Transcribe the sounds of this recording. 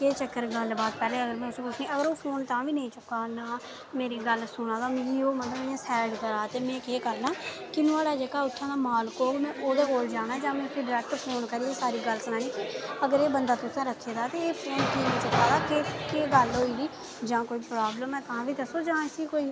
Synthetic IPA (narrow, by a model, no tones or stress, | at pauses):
keːt͡ʃəkːəɾɡəlbaːd̪̚pɛːleːəɡəɾmɛ̃ːʊsẽːpʊt͡ʃʰnĩːəɡəɾoːpʰoːnt̪ãːʋiːnəĩːt͡ʃʊkːaːnaː | meːɾiːɡəlsʊɽ̃ãːd̪aːmiːoːmət̪ləbm̃ːẽːsɛːɖkəɾaːt̪eːmɛ̃ːkeːkəɾnaːkɪnʊ̃aːɽaːd͡ʒəɡaːʊt̪ʰːãːd̪aːmaːlkoːmɛ̃ːʔoːd̪eːkoːld͡ʒaːɽ̃aːd͡ʒãːmɛ̃ːkoiːɖɪɾɛːk̚ʈpʰoːnkəɾiːeːsaːɾiːɡəlsənaːniːkiəɡəɾeːbənd̪aːt̪oːt̪ʰːãːɾəkʰːeːd̪aːt̪eeːpʰoːnkiːnĩːt͡ʃʊkːaːd̪aːkekeːɡəlɦoːiːd̪iː | d͡ʒãːkoːiːpɾaːbləmɛ̃ːt̪əãːʋiːd̪əsoːd͡ʒãːsiːkoːiː